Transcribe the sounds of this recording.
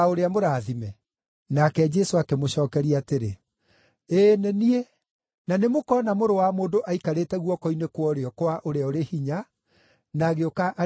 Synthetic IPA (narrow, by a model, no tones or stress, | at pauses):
oɾeamoɾaðimɛ | nakɛd͡ʒɛsoakemoɕɔːkɛɾiateɾe | eːnɛnie | nanemokɔnamoɾowamoːndoʔaikaɾeːtɛɣwɔkɔinekwɔɾeɔkwaʔoɾeaoɾehiɲa | naːɣeokaʔa